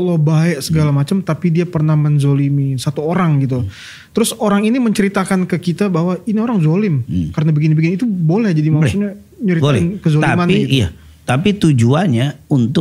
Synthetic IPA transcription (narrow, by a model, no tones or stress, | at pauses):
əlɔhbaɛʔsəɡalamat͡ʃamt̪apidiapərnahmənzolimisat̪uoɾaŋɡit̪̬u | t̪əɾʊsoɾaŋiniməɲt͡ʃəɾit̪akankəkit̪abaɦwainioɾaŋzolɪmkaɾənabikɪnbikɪnit̪ubolɛhd͡ʒadimaksuɲa | ɲəɾit̪ɪnkəzolimaniɡija̰ | t̪apit̪ud͡ʒuanɲaunt̪ʊk̚